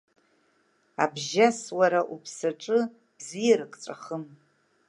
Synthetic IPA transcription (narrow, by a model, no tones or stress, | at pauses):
abʒaswaɾaʔupʰsaʈ͡ʂʼɨ | b̥zijɾɨkʼʈ͡ʂʼaχəm